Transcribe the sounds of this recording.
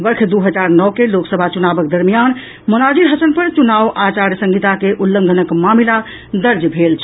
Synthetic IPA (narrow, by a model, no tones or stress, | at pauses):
bəɾkʰd̪uɦəd͡ʒaɾnɔkeloksəbʱat͡ʃunabək̚d̪əɾmijan | munad͡ʒiɾɦət͡ʃənpəɾt͡ʃunawʔat͡ʃaɾsə̃ŋɡit̪akeʔulːə̃ŋɡ̪ʱənəkmamila | d̪əɾd͡ʒbʱelt͡ʃʰɛ